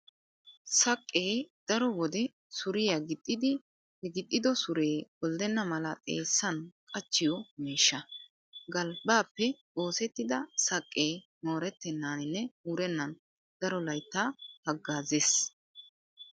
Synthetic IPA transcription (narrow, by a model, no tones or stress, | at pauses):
sɐkʼːeːd̪̥ɐɾɔwɔd̪ɛ | sʊɾɪjɐɡɪt̪ʼːɪd̪ɪ | hɛɡɪt̪ʼːɪd̪ɔsʊɾe̞ːbɔld̪ɛnːɐmɐlɐt̪ʼḛːsːɐnkʼɐt͡ʃːɪjɔmiːʃːɐ | ɡɐlbaːpːɛ | o̞ːsɛt̪ːɪd̪ɐsɐkʼːe̞ː | mo̞ːɾɛt̪ːɛnːaːnɪnːɛuːɾɛnːɐn | d̪̥ɐɾɔlɐjt̪ːaːhɐɡːaːzeːs